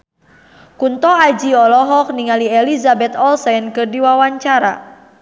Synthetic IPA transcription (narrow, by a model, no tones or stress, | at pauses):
kunt̪ɔad͡ʒiɔlɔɦɔk̚niŋalielizabɛt̪ɔlsajnkərdiwawaɲt͡ʃaɾa̰